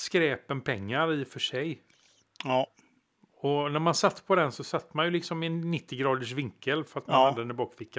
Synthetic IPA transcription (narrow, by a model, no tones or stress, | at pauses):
skɾɛːpənpʰɛŋːaɾɪfœʂɛj | ɔnæɾmansat̪ːpʰɔd̪ɛnsɔsat̪ːmanjɵlɪksɔmɪɛnːɪt̪ːɪɡɾɑːd̪əʂ̬vɪŋkːəlfœɾat̪manhad̪əd̪ɛnɪbɑːkfɪkːa